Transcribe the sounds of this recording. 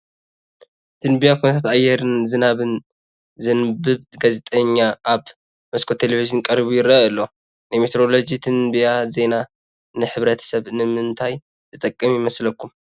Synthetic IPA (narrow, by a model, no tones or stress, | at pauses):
t̪ʰɨnbijakʰonɐt̪ʰat̪ajɛɾɨnzɨnaβɨn | zɨnbɨβɡazet̪ʼɐɲːaʔaβ | mɐskʰo̞t̪ʰelevizɨnkʼɐɾβujɪɾɐɨlːo̞ | nɨjmet̪ʰeɾo̞lo̞d͡ʒit̪ʰɨnbijaze̞na | nɨħɨβɾɐt̪ʰɐ̥sɐβnɨmɨnt̪ʰaj | zɨt̪ʼɐkʼːɐmjɪmɐslɐkːum